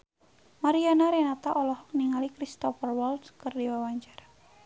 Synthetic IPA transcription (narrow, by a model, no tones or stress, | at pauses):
maɾianaɾɛnat̪aʔɔlɔhɔk̚niŋalikɾist̪ɔfərwɔldskɨrdiwawaɲt͡ʃara